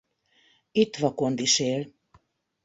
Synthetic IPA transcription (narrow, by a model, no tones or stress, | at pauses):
it̪vɑkond̪iʃel